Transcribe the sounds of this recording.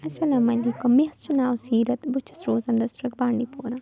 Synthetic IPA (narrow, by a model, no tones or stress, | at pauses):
ɐsɐlaːmɐleːkʊmːeɦɐst͡ʃʊnaːwsiːɾɐt̪bʊt͡ʃʰɪ̥sɾoːzɐnɾɐsɾɐk̚baːɳɖipoːɾãː